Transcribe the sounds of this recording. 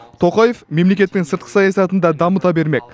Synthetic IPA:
t̪ʰo̞qɑje̞fme̞mle̞kʲe̞t̪ːɪŋnsəɾt̪qəsɑjɑsɑt̪ənd̪ɑd̪ɑmət̪ɑbe̞ɾme̞k̚

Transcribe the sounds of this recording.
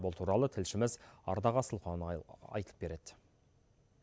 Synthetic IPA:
bolˠt̪ʰuɾɑlˠət̪ʰɪlʃɪmɪzɑ̰ɾd̪ɑʁɑsəlˠqonɑ̰jt̪əlˠəpbe̞ɾe̞d̪̥ɪ

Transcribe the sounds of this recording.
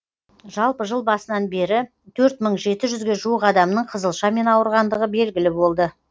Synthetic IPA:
ʒɑlˠpəʒəlˠbɑsənɑnbe̞ɾɪ | t̪ʰɵɾt̪məɴʒe̞t̪ɪʒʏzɡʲe̞ʒuwəqɑd̪ɑmnəɴqʰəzəlˠʃɑme̞nɑwəɾʁɑnd̪əʁəbe̞lɡʲɪlɪbo̞lˠd̪ə

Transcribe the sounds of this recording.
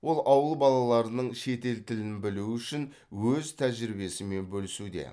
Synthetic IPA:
wo̞lˠʔɑwəlˠbɑlˠɑlˠɑɾənəɴʃe̞t̪e̞lt̪ʰɪlɪnbɪluʏʃɪn | wɵzt̪ʰæʒɾɪbe̞sɪme̞nbɵlɪsud̪e̞̰

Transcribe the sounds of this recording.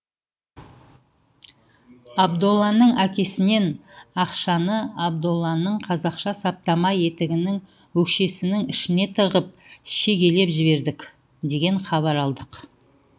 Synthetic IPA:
ɑbd̪olˠːɑnəɴækʲe̞sɪne̞nɑqʃɑnəɑb̚d̪olˠːɑnəɴqʰɑzɑqʃɑsɑp̚t̪ɑmɑje̞t̪ɪɡʲɪnɪŋ | wɵkʃe̞sɪnɪŋɪʃɪne̞t̪ʰəʁəp̚ʃe̞ɡʲe̞le̞pʒɪβe̞ɾd̪ɪkʲ | d̪e̞ɡʲe̞ɴχɑβɑɾɑlˠd̪əq

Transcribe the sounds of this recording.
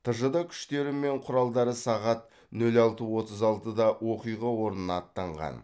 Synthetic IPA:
t̪ʰəʒəd̪ɑkʲʰʏ̥ʃt̪e̞ɾɪme̞ɴqʰʊɾɑlˠd̪ɑɾəsɑʁɑt̪̚ | nɵlɑlˠt̪əwo̞t̪əzɑlˠt̪əd̪ɑwo̞qijʁɑwo̞ɾənənɑt̪ːɑɴʁɑ̰n

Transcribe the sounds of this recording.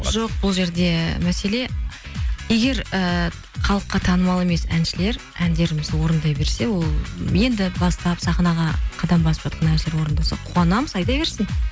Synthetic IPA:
ʒo̞q̚bʊlˠʒe̞ɾd̪e̞mæse̞le̞ | je̞ɡʲe̞ɾə | χɑlˠəqːɑt̪ʰɑnəmɑlˠe̞me̞sæ̰nʃɪle̞ɾ | ænd̪e̞ɾɪmɪzwo̞ɾənd̪ɑjbe̞ɾse̞wo̞lˠje̞nd̪ɪbɑst̪ɑpsɑχnɑʁɑqʰɑd̪ɑmbɑsəpʒɑt̪̚qɑnænʃɪleɾwo̞ɾənd̪ɑsɑqʰʊɑnɑməzɑjd̪ɑjbe̞ɾsɪn

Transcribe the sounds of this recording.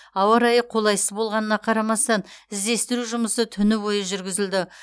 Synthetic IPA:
ɑwɑɾɑjəqʰo̞lˠɑjsəzbo̞lˠʁɑnənɑqʰɑɾɑmɑst̪ɑnɪzd̪e̞st̪ɪɾuʒʊməsət̪ʰʏnɪwojəʒʏɾɡʲɪzɪld̪ɪ

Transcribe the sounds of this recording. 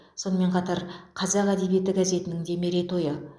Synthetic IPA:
so̞nəme̞ɴqʰɑt̪ɑɾqʰɑzɑqæd̪e̞bije̞t̪ɪɡaze̞t̪ɪnɪŋd̪e̞me̞ɾet̪ʰo̞jə

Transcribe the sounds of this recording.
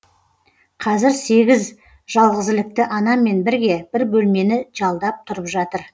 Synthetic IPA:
qʰɑzɪɾse̞ɡʲɪz | ʒɑlˠʁəzɪlɪk̚t̪ɪʔɑnɑme̞nbɪɾɡʲe̞b̥ɪɾbɵlme̞nɪʒ̥ɑlˠd̪ɑp̚t̪ʰʊɾəpʒɑt̪əɾ

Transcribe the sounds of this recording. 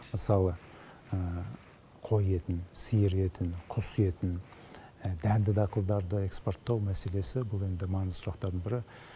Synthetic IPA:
məsɑlˠə | ə | qʰo̞je̞t̪ɪnsijɪɾe̞t̪ɪnqʰʊsje̞t̪ɪn | d̪ænd̪ɪd̪ɑqəlˠd̪ɑɾd̪əe̞kspo̞rt̪ːɑwmæse̞le̞sɪbʊlˠe̞nd̪ɪmɑnəzsʊɾɑqt̪ɑɾd̪ənbɪɾɪ

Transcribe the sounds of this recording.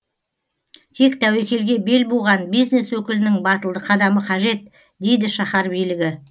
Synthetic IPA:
t̪ʰe̞kt̪ʰæwekʲe̞lɡʲe̞be̞lbolˠʁɑnbijzne̞swɵkʲɪlɪnɪŋbɑt̪əlˠd̪əqʰɑd̪ɑməqʰɑʒe̞t̪̚ | d̪e̞jd̪ɪʃɑχɑɾbijlɪɡʲɪ

